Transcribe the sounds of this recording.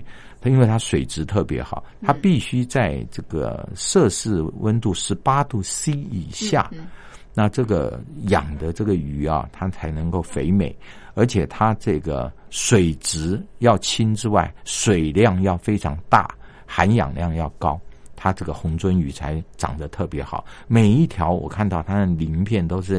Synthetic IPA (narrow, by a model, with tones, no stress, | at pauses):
i˥nwe˥˩ɪt̪ʰa˥ʂwe˨˩ɪʈ͡ʂɻ̩˧˥t̪ʰɤ˥˩pjɛ̰˧˥xɑ˨˩˦ʊt̪ʰa˥pi˥˩ɕy˥t͡sa˥˧ɪʈ͡ʂɤ˥˩ɡə̰˩ʂɤ˥˧ʂɻ̩˥˩wʔə˥nt̪u˥˩ʂɻ̩˧˥pa˥t̪u˥˩si˥i˨˩ɕja̰˥˩ | na˥˧ʈ͡ʂɤ˥˩ɡə̰˩jɑ̰˨˩ŋd̪ə˦ʈ͡ʂɤ˥˩ɡə˩y˨˩ɐ̰˨t̪ʰa˥t͡sʰa˧˥ɪnɤ˧˥ŋko˥˩ʊfe˧˥ɪme˨˩ɪ | ə˞˧˥t͡ɕʰjɛ˨˩t̪ʰa˥ʈ͡ʂɤ˥˩ɡə̰˩ | swe˨˩ɪʈ͡ʂɻ̩˧˥jɑ˥˩ʊt͡ɕʰi˥nʈ͡ʂɻ̩˥wa˥˩ɪʂwe˨˩ɪljɑ˥˧ŋjɑ˥˩ʊfe˥ɪʈ͡ʂʰɑ˧˥ŋt̪a̰˥˩ | xa˧˥njɑ̰˨˩ŋljɑ˥˧ŋjɑ˥˩ʊkɑ˥ʊt̪ʰa˥ʈ͡ʂɤ˥˩ɡə˩xʊ˧˥ŋt͡swə˥ny˧˥t͡sʰa˧˥ɪʈ͡ʂɑ̰˨˩ŋd̪ə˦t̪ʰɤ˥˩pjɛ˧˥xɑ˨˩˦ʊme˨˩ɪi˥˩t̪ʰjɑ˧˥ʊwɔ̰˨˩kʰa˥˧nt̪ɑ˥˩ʊt̪ʰa˥d̪ə˨li˧˥ŋpʰjɛ˥˩nt̪o˥ʊʂɻ̩˥˩